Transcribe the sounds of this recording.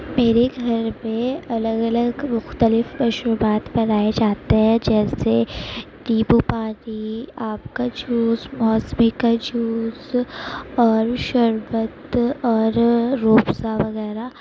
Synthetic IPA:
meːɾeɡʱɐɾmẽɐləɡɐləɡmʊxt̪əlɪfɐʃɾubaːt̪bɐɾaːed͡ʒaːt̪eɦɛ̃d͡ʒɛːse | ɖiːbupaːʈiaːp̚kad͡ʒuːsmɔːsmikad͡ʒuːz | ɔːɾʃɐɾʋət̪ɔːɾːoːpsaʋɐɣɛːɾa

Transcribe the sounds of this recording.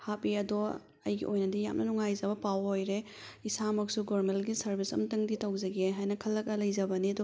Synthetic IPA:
hapiɐdɔ | ɐ̰jɡḭʔojnɐdija̰mnɐnuŋajzɐbɐpawojɾe | isamɐk̚suɡoɾmelɡisɐɾbʱisɐ̰mtɐŋditɐwzɐɡeɦajnɐkʰɐlːɐk̚ɐlɐjzɐbɐniɐdɔ

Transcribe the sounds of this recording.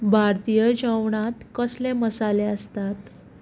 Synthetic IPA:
bʱaɾt̪ijəd͡ʑəʋɳat̪kəsleməsaleəst̪at̪

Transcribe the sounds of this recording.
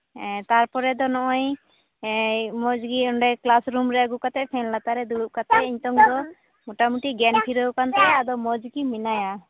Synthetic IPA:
t̪aɾpɔɾɛd̪ɔnɔʔɔj | mɔd͡ʒɡiɔnɖɛklasɾumɾɛɡukat̪ɛpʰɛnlat̪aɾɛd̪uɾuʔkat̪ɛiɲt̪ɔŋd̪ɔ | mɔʈamuʈiɡɛnpʰiɾəwkant̪ɛad̪ɔmɔd͡ʒɡiminaja

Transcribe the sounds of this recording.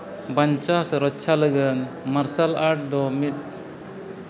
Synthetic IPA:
baɲt͡ʃasɔɾɔtːt͡ʃʰaləɡən | maɾsalaʈ̚d̪ɔmit̪̚

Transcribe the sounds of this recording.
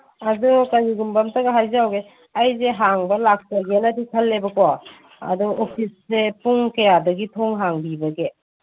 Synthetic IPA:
adukajiɡumbɐmtɐɡaɦajzawɡe | ajzeɦaŋbɐlak̚tɐɡenɐtikʰɐlːebɐkɔ | ɐ̰duopʰisːepuŋkɐjadɐɡitʰoŋɦaŋbibɐɡe

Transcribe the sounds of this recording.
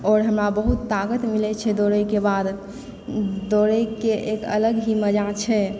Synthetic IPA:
ɔːɾɦəmɾabəɦut̪ːaɡət̪milɛt͡ʃʰɛd̪oɾəjkebad̪ | d̪oɾəjkeʔekə̰ləɡɦiməd͡ʒat͡ʃʰɛ

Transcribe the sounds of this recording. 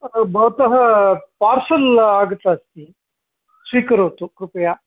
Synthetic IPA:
bɐʋɐt̪ɐɦɐpaːɾsɐlaːɡut̪ːɐːst̪i | sʋiːkɐɾuːt̪ukɾupɐjaː

